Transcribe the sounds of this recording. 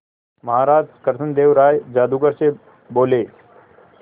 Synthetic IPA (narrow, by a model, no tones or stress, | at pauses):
mɐɦaɾaːd͡ʒkəɾsənd̪eːʋɾaːjd͡ʒaːd̪uɡəɾse | boːleː